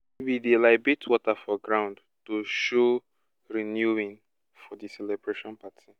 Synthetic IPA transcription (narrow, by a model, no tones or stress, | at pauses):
bidilaɪbitʰwɔtafɔɡɹãʊ̃nd | toʃo | ɹinjuĩn | fɔdisɛlɛbɹeʃɔ̃npatʰi